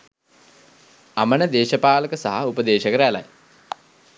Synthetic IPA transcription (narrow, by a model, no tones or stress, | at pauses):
amənəd̪eːʃəpaːləkəsaɦaupəd̪eːʃəkəɾəæla̰j